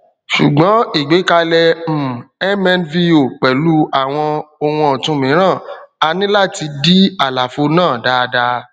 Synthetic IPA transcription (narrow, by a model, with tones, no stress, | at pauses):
ʃu˨ɡ͡bɔ̃˨˦i˨ɡ͡be˨˦ka˧lɛ˧m̩˨ɛ˦mɛ̃˧nvi˧o˨k͡pɛ˨lu˦a˦˨w̃ɔ̃˧o˧wũ˧ɔ˨tũ˧mĩ˨˦ɾ̃ã˦˨a˧nĩ˦la˦˨ti˧di˦a˦˨la˨fo˧nãː˦˨da˧˦˧da˧